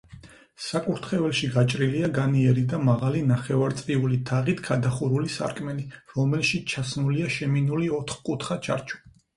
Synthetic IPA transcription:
sakʼuɾt̪ʰχɛvɛlʃiɡat͡ʃʼɾiliaɡaniɛɾid̪amaʁalinaχɛvaɾt̪sʼqʼiulit̪ʰaʁit̪ʰɡʰad̪aχuɾulisa̰ɾkʼmɛliɾɔmɛlʃit͡ʃʰasmuliaʃɛminuliɔt̪ʰχkʼut̪ʰχat͡ʃʰa̰ɾt͡ʃʰu̥

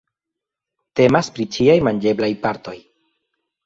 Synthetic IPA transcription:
te̞maspɾit͡ʃiajmand͡ʒe̞blajpaɾto̞j

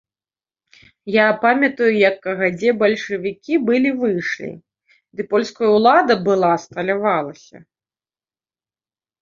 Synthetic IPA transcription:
japamʲɐt̪ujujɐkːɐɣad͡zʲɛbɐlʲʂɨvʲikʲibɨlʲivɨʂlʲḭ | d̪ɨpɔlʲskɐjɐwlˠad̪ɐbɨlˠast̪ɐlʲavalˠɐsʲɐ̰

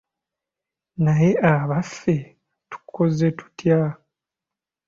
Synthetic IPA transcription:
naje̞aβafːe̞ | tu̥kʰːo̞ze̞tu̥tʰja

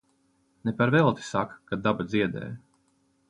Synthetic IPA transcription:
nɛpaɾvɛlˠt̪i̥sakkad̪abad̪ziɛd̪ɛ̰ːj

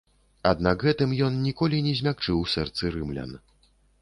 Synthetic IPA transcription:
ad̪̚naɡɣɛt̪ɨmjɔnnʲikɔlʲinʲɛzʲmʲak̚t͡ʂɨwsɛrt̪sɨɾɨmlʲa̰n

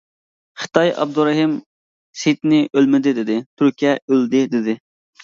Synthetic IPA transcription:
χə̥t̪ɑjʔɑ̰b̚d̪uɾɛɦim | set̪nɪʔølmɪd̪ɪd̪ɪd̪ɪt̪ʰyɾkʲiɛøld̪ɪd̪ɪd̪ɪ

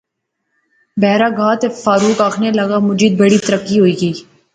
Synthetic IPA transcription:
bɛːɾaːɡaːt̪efaːɾuːkaːkʰneləɡaːmʊd͡ʒiːd̪̚bəɽiːt̪əɾəkːiɦoːiːɡiː

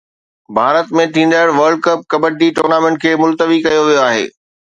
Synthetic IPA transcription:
bʱaːɾət̪mẽt̪ʰĩːn̆d̪aːɪɽʋɐɾɖ̚kɐp̚kɐbəʈiʈoːɾnaːmẽɳʈ̚kʰeːmʊlt̪əʋikɐjoʋijoaːɦḛː

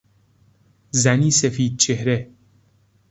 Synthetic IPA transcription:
zæniːsefiːd̪̚t͡ɕʰehɾe

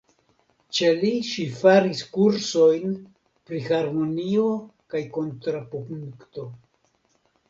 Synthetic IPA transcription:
t͡ʃe̞liʃifaɾiskuɾso̞jn | pɾihaɾmo̞nio̞kajko̞ntɾapopuŋkto̞

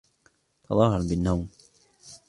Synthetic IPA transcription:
t̪ʰɑðˤɑhːɑɾˤbɪnːawm

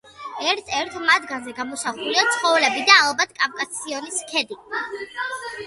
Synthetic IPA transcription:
ɛɾt̪ʰɛɾt̪ʰmad̪ɡanzɛɡamɔsaχuliat̪sʰχɔvlɛbid̪aːlˠbat̪ʰkʼafkʼasiɔniskʰɛd̪i

